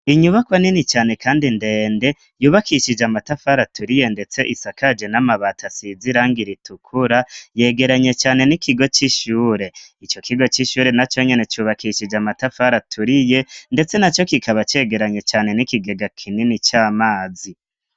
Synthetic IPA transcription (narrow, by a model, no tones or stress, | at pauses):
iɲuβakwaninit͡ʃaːne̞kaːndinde̞ːnde̞ | juːβakiʃid͡ʒamatafaɾatʰuɾije̞nde̞t͡se̞ʔisakad͡ʒe̞namaβatʰasiziɾaːŋɡiɾitukʰuɾaje̞ːɡe̞ɾaɲe̞t͡ʃaːne̞nikʰiɡo̞t͡ʃiʃuːɾe̞it͡ʃo̞kʰiɡo̞t͡ʃiʃuːɾe̞nat͡ʃo̞ɲenet͡ʃuːβakiʃid͡ʒamatafaɾatʰuɾije̞nde̞t͡se̞nat͡ʃo̞kikʰaβat͡ʃe̞ɡe̞ɾaɲet͡ʃaːne̞nikiɡe̞ɡakʰininit͡ʃaːmaːzi